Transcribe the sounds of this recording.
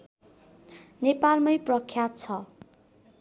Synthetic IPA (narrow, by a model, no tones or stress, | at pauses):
nepalmʌjprʌkʰːjat̪̚t͡sʰʌ